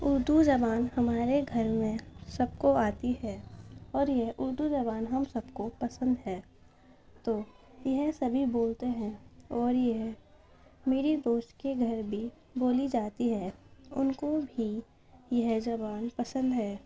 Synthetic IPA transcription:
ʊɾd̪ud͡ʒɐbaːnhɐmaːɾeɡʱɐɾmẽsɐb̚koaːt̪iɦɛːɔːɾjeɦʔʊɾd̪ud͡ʒɐβaːnɦɐmsɐbkopɐsə̃nd̪ɦɛː | t̪oː | jɛɦsɐbʱiboːlt̪eɦɛ̃ɔːɾjeɦ | meːɾid̪oːʃtkeɡʱɐɾbʱi | boːlid͡ʒaːt̪iɦɛːʊ̰nkobʱi | jɐɦd͡ʒɐbaːnpɐsə̃nd̪ɦɛː

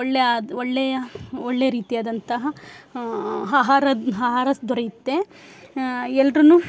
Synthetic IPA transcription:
ɔɭːeaɔɭːɛjɐoɭːejɐɾiːt̪ijaːd̪ɐnt̪ɐɦɐ | ɦaːɦaːɾɐɦaːɦaːɾɐsd̪ʱɔɾɐjit̪ːe | ɛlːɾɐnu

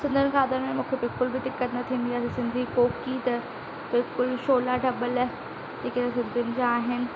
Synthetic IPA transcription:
sɪ̃nd̪ʱənɪ̆kʰaːd̪əɾmẽmũːkʰebɪlkʊlbɪd̪ɪkːət̪nɐt̪ʰiːn̆d̪iaːsisɪ̃nd̪ʱikoːkit̪ɐ | bɪlkʊlʃoːlaɖʱɐbəl | d͡ʑeːket̪esɪ̃nd̪ʱjʊnɪ̆d͡ʑaaːɦɪnɪ̆

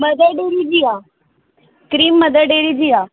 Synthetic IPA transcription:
mɐd̪əɖeːɾid͡ʒiaː | kɾiːmːəd̪əɖeːɾid͡ʒiːaː

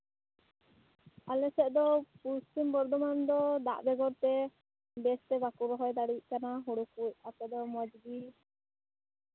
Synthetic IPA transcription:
alɛsɛʔd̪ɔpuɾst̪imbɔɾd̪ɔmand̪ɔd̪a̰ʔbɛɡɔɾt̪ɛ | bɛst̪ɛbakuɾɔɦɔjd̪aɽic̚ˀkanaɦuɽukuc̚apɛd̪ɔmɔd͡ʒɡi

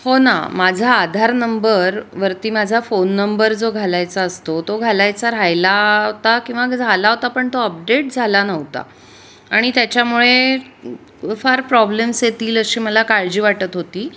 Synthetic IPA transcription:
hona̰mad͡zʱaːd̪ʱaɾnəmbəɾʋəɾt̪iːmad͡zʱafonːəmbəɾd͡zoɡʱalajt͡saəst̪ot̪oɡʱalajt͡saɾajlaɦot̪akĩw̃ʋad͡zʱalaɦot̪apəɳt̪oəp̚ɖeʈ̚d͡zʱalanəɦt̪a̰ | aɽ̃it̪jat͡ɕjamuɭe | faɾpɾɔblemsjet̪iːləɕiːməlakaɾd͡ʑiːʋaʈət̪ɦot̪iː

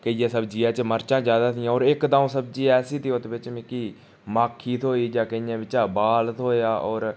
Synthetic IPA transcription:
kəijãːsəbd͡ʒiːaːt͡ʃməɾt͡ʃãːd͡ʒjaːd̪aːt̪ijãːɔːɾɪkd̪aːõːsəb̚d͡ʒiːɛːsiːt̪ioːt̪ːbɪt͡ʃmɪkiː | maːkʰːiːt̪ʰoːiːd͡ʒaːkəijãːʋɪt͡ʃaːbaːlt̪ʰoːjaːʔɔːɾ

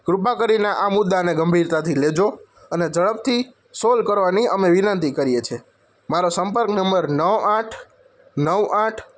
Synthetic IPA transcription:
ɡɾupakəɾineʔamʊd̪ːaneɡəmbʱiɾt̪at̪ʰiled͡ʒo | əned͡ʒəɭəb̚t̪ʰi | solkəɾʋaniəmeʋɪnənt̪ikəɾijet͡ʃʰe | maɾosəmpəɾknəmbəɾnəʋaʈʰ | nəʋaʈʰ

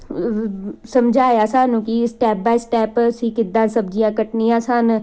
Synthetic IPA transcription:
səmd͡ʒʱaːjaːsaːnũːkisʈɛːp̚baːisʈɛːpsiːkɪd̪ãːsəbd͡ʒijãːkəʈnijãːsaːn

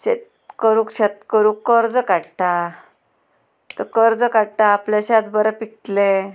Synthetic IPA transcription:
ɕet̪ | kəɾukɕat̪̚kəɾukːəɾd͡zəkaɽʈa | t̪əkəɾd͡zəkaɽʈaːpljaɕat̪bəɾapik̚t̪le

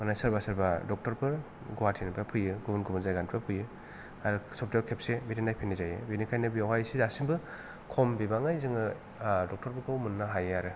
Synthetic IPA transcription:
manajsaɾbasaɾbadɔk̚tɔɾpɯɾ | ɡuwatʰinpapʰɯjɯɡubɯnɡubɯnzajɡanpʰapʰɯjɯ | aɾɯsɔp̚tawkʰep̚sebetinajpʰenizajɯ̰benikʰajnɯbijawhajsizasimbɯ | kʰombibaŋajzɯŋɯ | dɔk̚tɔɾpɯɾkʰɯwmunːaɦajaɾɯ

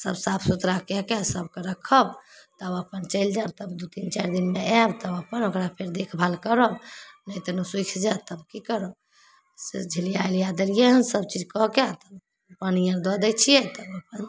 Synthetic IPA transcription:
sə̰bsapʰsut̪ɾakɛkɛsəbkeɾəkʰəbt̪əbəpənt͡ʃəld͡ʒabt̪əbd̪ut̪int͡ʃaɾd̪inmeɛbt̪əbəpənokɾapʰeɾd̪ekʰbʱalkəɾəbnəjt̪ənuswikʰd͡ʒat̪əbkikəɾəb | sḛd͡ʒʱilijaeljad̪əɾijeɦənsəbt͡ʃid͡ʒkɔkat̪əb | pənijə̃ɾd̪ɔd̪ət͡ʃʰijɛt̪əbəpən

